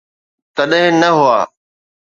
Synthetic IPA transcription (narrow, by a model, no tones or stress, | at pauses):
t̪ɐɗɦɪ̃nɐɦʊa̰ː